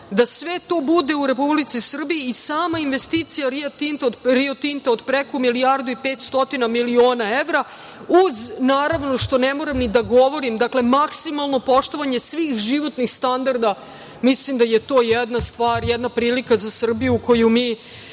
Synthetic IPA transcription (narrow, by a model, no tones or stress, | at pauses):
d̪asʋet̪o̞ːbud̪e̞uɾe̞publit̪sisr̩bijiːsaːmainʋe̞st̪iːt̪sijaɾiat̪int̪aoɾiot̪int̪aod̪pɾekomilijaɾd̪uipeːt̪st̪o̞t̪inamilio̞ːnaeʋɾa | uznaːɾaʋno̞ʃt̪o̞nemo̞ɾemnid̪aɡo̞ʋo̞ɾimd̪akle̞maksimalˠno̞po̞ʃt̪o̞ʋaɲe̞sʋiːxʒiʋo̞t̪nixst̪and̪aɾd̪a | mislimd̪ajet̪o̞ːjɛd̪nast̪ʋaːɾjɛd̪napɾiːlikazasr̩bijuko̞jumiː